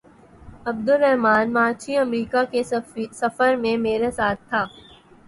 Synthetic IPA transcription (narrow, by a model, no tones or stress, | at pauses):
ɐb̚d̪ʊlːɛɦmaːnmaːt͡ʃiɐmɾiːkakesɐfəɾmẽmeːɾesaːt̪ʰːaː